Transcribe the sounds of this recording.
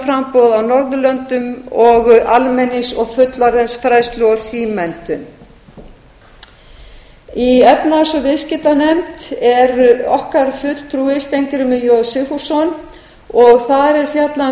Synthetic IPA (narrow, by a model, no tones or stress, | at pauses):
fɾampɔwðawnɔɾðʏlœnt̪ʏmɔɣalmɛnːɪsɔɣfʏt̪laɾɛnsfɾajst̪lʏɾ̥siːmɛnt̪ʏm | iɛpnasɔvɪðscɪt̪anɛmt̪ɛɾɔhkaɾ̥fʏt̪l̥t̪ʰɾuːɪst̪ejŋkɪɾʏmɪjowðsɪfusɔn | ɔɣθaɾɛɾ̥fjat̪la